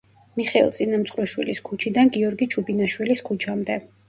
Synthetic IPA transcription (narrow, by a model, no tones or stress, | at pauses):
miχɛḭlˠt̪sʼinamt̪sʰʼχɾuʃwiliskʰut͡ʃʰid̪anɡiɔɾɡit͡ʃʰubinaʃwiliskʰut͡ʃʰamd̪ɛ